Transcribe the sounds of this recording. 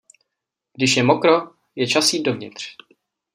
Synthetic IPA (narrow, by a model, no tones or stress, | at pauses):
ɡ̥dɪʃjɛmokɾo̞ | jɛt͡ʃasiːdovɲɪ̰t̪r̝̥